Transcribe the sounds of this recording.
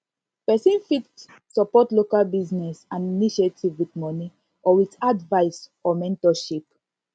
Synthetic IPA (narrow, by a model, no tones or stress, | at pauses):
pɛsĩnfit | sɔpɔtlokalbiznɛsãniniʃetʰivwitmɔni | ɔwitadvaɪsɔmɛ̃ntɔʃip